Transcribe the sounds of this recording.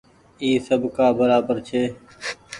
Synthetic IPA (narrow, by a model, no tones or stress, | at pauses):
iːsəbkaːbəɾaːbəɾt͡ʃʰeː